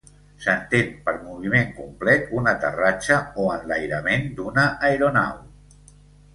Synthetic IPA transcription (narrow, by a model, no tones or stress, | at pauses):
sənt̪empəɾmuβ̞imeŋkumplɛt̪̚unət̪ə̰rat͡ʃəoənlajɾəmend̪unəʔːjɾuna̰w